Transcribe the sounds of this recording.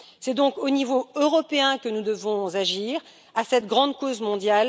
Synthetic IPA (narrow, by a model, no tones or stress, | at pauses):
sɛd̪ɔ̃konivoøʁɔpeɛ̃kənud̪əvɔ̃zaʒiːʁ | asɛt̪ɡʁɑ̃d̪kozmɔ̃d̪jal